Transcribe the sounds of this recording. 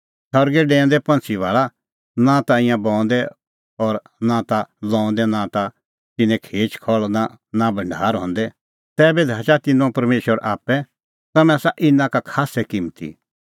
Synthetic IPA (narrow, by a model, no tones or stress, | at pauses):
sʰɔɾɡɛɖɛ̃ːnd̪ɛpɐ̃nt͡sʰiʋaːɭa | nãt̪aɪ̃jãbɔ̃ːnd̪ɛ | ɔɾ | nãt̪alɔ̃ːɔ̃nd̪ɛnãt̪a | t̪ɪnɛ̃kʰeːt͡ʃkʰɔɭna | nabʱɐ̃ɳɖʱa̰ːɾɦɔ̰̃n̆d̪ɛ | t̪ɛːbɛd̪ʱaːt͡ʃat̪ɪnõpɐɾmeːʃəɾʔa̰ːpɛ | t̪ɐmɛ̃saʔɪnãkakʰaːsɛkɪ̃mt̪ḭ